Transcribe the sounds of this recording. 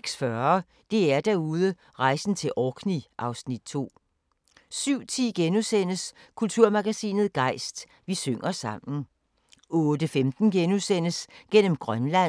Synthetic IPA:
ɡ̥sfɶɐ | d̥e̝æɐd̥æɐuð̞ˠə | ʁɑ̈ɪsn̩t͡sʰe̝lʔɒkʰniʔɑ̈ʊsnid̥̚t͡sʰo̝̰ː | syʊ̰t͡sʰḭːɡ̥enusen̰əs | kʰult͡sʰuɐ̰mɑ̈ɡ̥æsḭːnð̩ˠɡ̥ɑ̈ɪ̰sd̥ | ʋisøŋ̰ɐsɑ̈m̰n̩ | ɔ̽ːd̥əfemd̥n̩ɡ̥enusen̰əsɡ̥en̰m̩ɡ̥ʁɶnlæn

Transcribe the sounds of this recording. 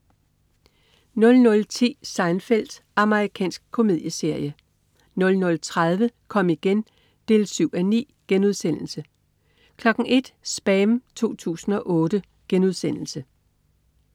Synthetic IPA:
nɔ̽lnɔ̽lt͡sʰḭːsɑ̈ɪnfel̰d̥ | ɑ̈məʁikʰɛ̰ːnsɡ̥̚kʰo̝me̝ð̰ˠjəse̝ɐ̰jə | nɔ̽lnɔ̽lt͡sʰʁað̞ˠʋəkʰɒ̽m̰iɡ̥en | d̥e̝ːlsyʊ̰ænḭːɡ̥enuð̞ˠsen̰l̩sə | kʰlɒ̽ɡ̥ŋ̩ʔe̝d̥sb̥ɛːmt͡sʰo̝̰ːt͡sʰṵːsn̩ɒ̽ʔɔ̽ːd̥ə | ɡ̥enuð̞ˠsen̰l̩sə

